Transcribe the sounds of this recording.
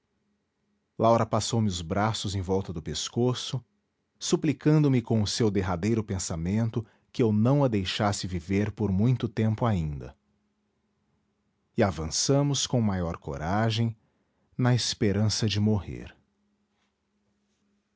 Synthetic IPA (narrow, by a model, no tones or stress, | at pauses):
lʔawɾɐpasowmɪʊzbɾasʊzẽj̃vɔwt̪ɐd̪ʊpeskosʊ | suplikɐ̃nd̪ʊmɪkõw̃ʊsewd̪eɦad̪ejɾʊpẽsamẽnt̪ʊ | kɪewnɐ̃w̃ɐd̪ejʃasɪviveɾpoɾmũj̃t̪ʊt̪ẽmpʊaĩnd̪ɐ̰ | ɪavɐ̃sɐ̃mʊskõw̃majɔɾko̰ɾʔaʒẽj̃ | nɐespeɾɐ̃sɐd͡ʒɪmoɦḛɾ